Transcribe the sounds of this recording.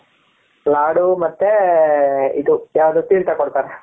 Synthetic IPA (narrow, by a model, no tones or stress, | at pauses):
laːɽumɐt̪ːe | id̪ujaːʋd̪ot̪iːɭt̪akoɽt̪aːɾe